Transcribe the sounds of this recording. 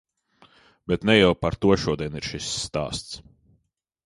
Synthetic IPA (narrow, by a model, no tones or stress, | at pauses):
bɛt̪nɛjɛwpaɾt̪uɔʃuɔd̪iɛniɾʃisːt̪a̰ːst̪s